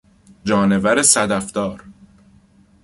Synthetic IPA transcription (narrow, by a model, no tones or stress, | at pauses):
d͡ʒɒːne̞væɾesæd̪æft̪ɒːɾ